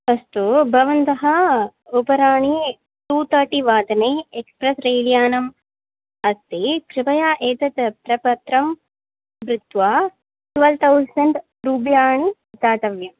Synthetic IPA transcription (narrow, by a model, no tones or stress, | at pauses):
ɐst̪ubʱɐʋɐnt̪ɐɦɐupɐɾaːɳi | ʈuːt̪ɐːʈiʋaːd̪ɐneːekspɾɐsɾɐjlijaːnɐm | ɐst̪ekɾɪbɐjaːʔeːt̪ɐt̪pɾɐpɐt̪ɾɐm | bɾut̪ʋaː | t̪ʋɐlt̪ʰɐwsɐɳʈ | ɾuːbjaːɳi | t͡ʃaːt̪ɐʋjɐm